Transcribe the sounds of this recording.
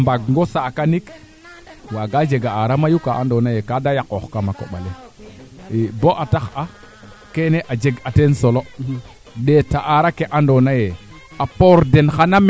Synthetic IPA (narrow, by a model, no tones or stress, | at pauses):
mbaɡŋɡosakanik | waɡad͡ʒeɡaaɾamajukaʔa̰ndonajekadajakoxkamako̰ɓa̰le | eboʔataxa | keneʔad͡ʒeɡatensolo | ɗetaʔaɾakeʔandonaje | apoɾdenxanam